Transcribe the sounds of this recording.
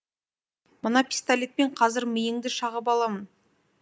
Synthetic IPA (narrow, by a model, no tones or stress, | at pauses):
mənɑpʲi̥st̪alʲet̪̚peɴqʰɑzɪɾmɪjɪŋd̪ɪʃɑʁəp̬ɑlˠɑmən